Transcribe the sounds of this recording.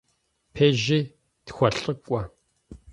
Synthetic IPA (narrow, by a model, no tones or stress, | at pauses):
pʰeːʒi | txʷɐɬʼəkʷʼɔ